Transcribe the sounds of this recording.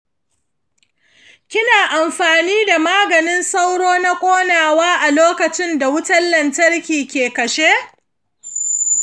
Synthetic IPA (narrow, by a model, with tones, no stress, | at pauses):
kʲɪ˦naː˨ʔa˨mɸaː˨niː˦da˨maː˦ɡɐ˨nɪ˦nsa˦wɽoː˦na˦kʷʼoː˦naː˨waː˦ʔa˨loː˦kɐ˨t͡ʃɪ˦nda˨wʊ˦tɐ˦lːɐ˨ntɐ˦rkʲiː˨kʲeː˨kɐ˨ʃe˦